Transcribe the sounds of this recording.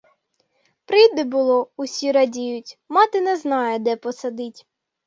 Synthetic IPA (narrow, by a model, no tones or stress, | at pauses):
pɾɪjd̪ɛbʊlˠɔʊsʲiɾɐdʲijʊtʲmɑt̪ɪnɛznɑjɛd̪ɛpɔsɐd̪ɪtʲ